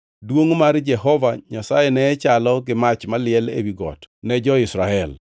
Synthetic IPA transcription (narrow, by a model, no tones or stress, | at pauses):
dwoŋmaɾd͡ʒɛɦɔvaɲasajenɛːt͡ʃalɔɡɪmat͡ʃmalɪɛlḛwiɡɔ̰tnɛd͡ʒɔɪsɾaɛl